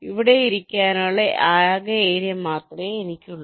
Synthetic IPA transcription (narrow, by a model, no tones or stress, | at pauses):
iʋiɽeiɾikʲːaːnoːɭeʔaːjaːɣɐeːɾijɐmːaːt̪rɐeenikʲːuɭːɐ